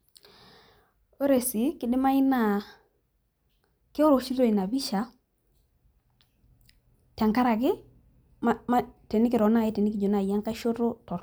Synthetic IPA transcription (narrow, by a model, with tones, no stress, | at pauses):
o˦ɾe˨si˨˦kɪ˨dɪ˦ma˦ɪ˦na˨ | ke˦o˦ɾo˨ʃi˦ɾo˦˨i˨na˨bi˦ʃa˨˦ | ta˨ŋka˦ɾa˨ɡɪ˦ | ma˦ma˦te˨nɪ˦kɪ˨ɾɔ˨˦na˦˨jɛ˦te˨nɪki˨d͡ʒo˨na˦˨a˦ŋka˦ʃo˦ɾo˦tɔ˨ɾ